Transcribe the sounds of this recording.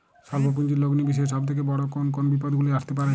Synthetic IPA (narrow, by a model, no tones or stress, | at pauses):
ʃalbop̬und͡ʑiɾloɡnibiʃ̬ɔeʃ̬ɔb̚t̪ʰek̬ebɔɽokonk̬onbip̬od̪ɡuliaʃt̪ep̬aɾe